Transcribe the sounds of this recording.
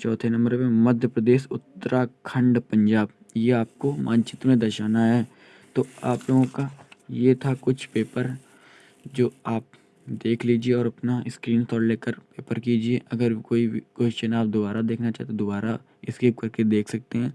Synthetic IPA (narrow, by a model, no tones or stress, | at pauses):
t͡ʃɔːt̪ʰenɐ̃mbəɾmẽmɐd̪ʱjəpɾɐd̪eːʃʊt̪ːəɾʔakʰɐ̃ɳɖpɐ̃ɲd͡ʒaːb | jeaːp̚komʔã̰ːnt͡ʃɪt̪mẽd̪ɐʃaːnaɦɛː | t̪oːaːploːɡõkajet̪ʰakʊt͡ʃʰpeːpəɾ | d͡ʒoːaːp̚ | d̪eːkʰliːd͡ʒieɔːɾɐpnaɪskɾiːnt̪ʰɔːɽleːkəɾpeːpəɾkiːd͡ʒieʔɐɡəɾkoːikoːt͡ʃt͡ʃɐnaːb̚d̪ʊbaːɾad̪eːkʰnat͡ʃa̰ːɦt̪ed̪ʊbaːɾa | ɪskeːp̚kɐɾked̪eːkʰsɐk̚t̪eɦɛ̃ː